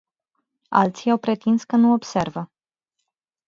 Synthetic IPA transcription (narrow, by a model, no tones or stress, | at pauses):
a̰lt̪sijawpɾe̞t̪inskənuo̞bse̞rvə